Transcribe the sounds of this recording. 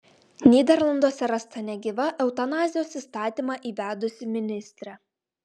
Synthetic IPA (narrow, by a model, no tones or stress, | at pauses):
nʲiːd̪ʲɛɾlˠɐnd̪oːsʲɛɾɐst̪ɐnʲɛɡʲiːʋɐʔɛʊt̪ɐnɑːzʲɪjoːsiːˑst̪ɑːt̪ʲiːmɑʔiːʋʲæːd̪ʊsʲɪmʲɪnʲɪsʲt̪ʲɾʲɛ